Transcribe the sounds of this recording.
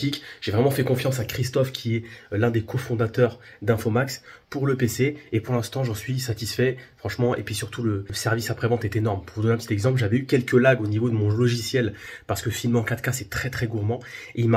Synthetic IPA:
ikʒ̥evʁɛmɑ̃fɛkɔ̃fjɑ̃sakχist̪ɔfkʲʰiɛlɛ̃d̪ekʰɔfɔ̃d̪at̪œʁd̪ɛ̃fomakspuʁləpeseepuʁlɛ̃st̪ɑ̃ʒɑ̃sɥisat̪isfɛfχɑ̃ʃmɑ̃ʔḛpɥisyʁt̪uləsɛʁvisapχevɑ̃t̪ɛt̪enɔʁmpuʁvud̪ɔneɛ̃pət̪i̥t̪ɛɡzɑ̃p̬lʒavɛykʲɛlkəlaɡonivod̪əmɔ̃lɔʒisjɛlpaʁsə̥kəfilmɑ̃kat̪kasɛt̪χɛt̪χɛɡuʁmɑ̃eilma

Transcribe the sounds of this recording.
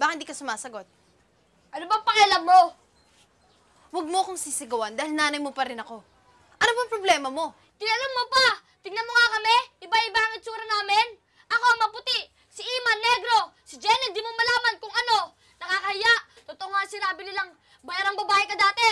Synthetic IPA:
baːkɐnɪnd̪ikɐsʊmaːsɐɡo̞t̪̚ | ʔɐnobɐŋpɐkɛlammo̞ | wɐɡ̚moɐkoŋsisɪɡɐwand̪aːhɪlnaːnɐjmopɐɾɪnɐko̞ | ʔɐnobɐŋpɾoblɛːmɐmo̞ | t̪ɪnɐlɐmːopa | t̪ɪɡnɐmoŋakɐmɛʔɪbaʔɪbaɐŋɪt̪suːɾɐnaːmɪn | ʔɐko̞ɐŋmɐpʊt̪ɪʔ | sɪʔiːmɐnːɛɡɾo̞sɪd͡ʒɛnɛd̪iːmomɐlaːmɐnkʊŋɐno̞ | nɐkaːkɐhɪjaʔ | t̪ot̪oʔoŋasɪɾaːbɪlɪlɐŋ | bɐjaɾɐŋbɐbaːhɪkɐd̪aːt̪ɛ

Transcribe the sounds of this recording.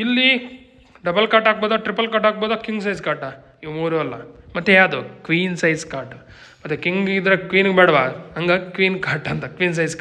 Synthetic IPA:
ilːi | ɖɐbɐlkaːɾʈaːk̚boːd̪aːʈɾipːɐlkaːʈaːk̚boːd̪aːkiŋɡs̬ɐjskaːɾʈa | iʋmuːɾuɐlːɐ̰mɐt̪ːejaːd̪okʋiːnsɐjskaːɾʈu | mɐt̪ːekiŋɡid̪ɾɐkʋiːnɡebɛːɽɐʋaːɐŋɡɐkʋiːnkaːɾʈɐnt̪ɐkʋiːns̬ɐjskː

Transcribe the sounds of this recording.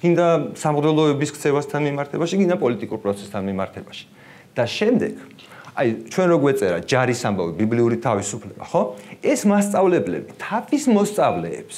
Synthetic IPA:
ɡ̥ind̪asamʁd̪ɛlˠɔɛbiskʰt̪sʰɛvast̪ʰanmimaɾt̪ʰɛbaʃiɡind̪apʼɔlit̪ʼikʼuɾpʼɾɔt̪sʰɛ̥st̪ʰanmimaɾt̪ʰɛbaʃi̥ | d̪̥aʃɛmd̪ɛɡ̥ | ajt͡ʃʰwɛnɾɔɡwɛt̪sʼɛɾad͡ʒaɾisambavibibliuɾit̪ʰavisupʰlɛba̰χɔɛsmast̪sʼavlɛblɛ̰bit̪ʰapʰismɔst̪sʼavlɛːps

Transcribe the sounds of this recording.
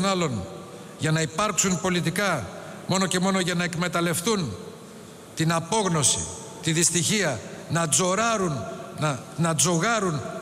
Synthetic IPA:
nɐlo̞n | ʝɐnɐipɐɾksunpo̞lit̪̬ikɐ | mo̞no̞ce̞mo̞no̞ʝɐnɐe̞kme̞t̪ɐle̞fθun | t̪inɐpo̞ɣno̞si | t̪iðist̪içiɐnɐd͡zoɾɐɾun | nɐd͡zo̞ɣɐɾun

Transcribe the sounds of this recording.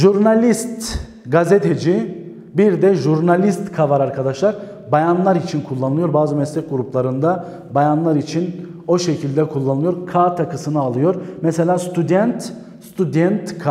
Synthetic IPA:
ʒuɾnalʲist̪ | ɡazet̪ʰed͡ʒi | biɾd̪ɛʒuɾnalʲist̪kʰavaɾaɾkʰad̪aʃlˠaɾ | bajanlˠaɾit͡ʃʰinkʰulˠːanɯɯjo̞ɾbaːzɯmɛslʲɛc̚ɡuɾuplˠaɾɯnd̪a | bajanlˠaɾit͡ʃʰin | o̞ʃecʰilʲd̪ɛkʰulˠːanˠɯjoɾkʰaːt̪ʰakʰɯsɯnɯalˠɯjo̞ɾmɛse̞lʲaːst̪ʰud̪ɛnt̪ | st̪ʰyd̪ɛnt̪kʰa

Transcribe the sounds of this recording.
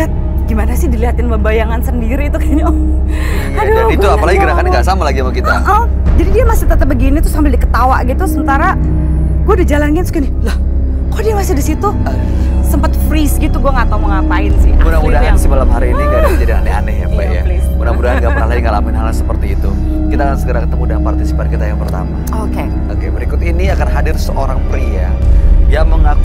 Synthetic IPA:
at̪̚ | ɡimanasɪhdiliɦat̪ɪnbəbajaŋansəndiɾit̪ukaɲa | kad͡ʒait̪uapalaɡiɡəɾakanɡaʔsamalaɡiamakit̪aʔa | d͡ʒadidiamasɪt̪ət̪əp̚bəɡinit̪ɾʊsambɪldikə̥t̪awaʔɡit̪usəmənt̪aɾa | ɡuadid͡ʒalanɡansu̥kanɪhlah | kɔdiamasɪdisit̪u | səmpət̪̚fɾisɡit̪uɡuaŋat̪auməŋapaɪnsɪ̰hamudamudansimalamɦaɾiːniɡadiad͡ʒadiŋanɛa̰nɛhja̰paʔja̰sudamudaanɡapənaɦlaiŋalamɪnɦalasəpərt̪iːt̪u | kit̪akansəɡəɾakət̪əmudanpart̪isi̥paɾ̚kit̪ajaŋpərt̪a̰ma̰ | oke | okebəɾikʊt̪iniakanɦadɪrsəʔoɾaŋpəɾia | jaməŋak

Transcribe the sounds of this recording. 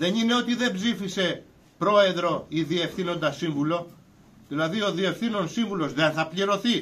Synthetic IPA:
ðe̞nine̞o̞t̪iðe̞bzifise̞ | pɾo̞e̞ðɾo̞iðie̞fθino̞nd̪ɐsiɱvulo̞ | ðilɐðio̞ðie̞fθino̞nsiɱvulo̞zðenθɐpʎiɾo̞θi

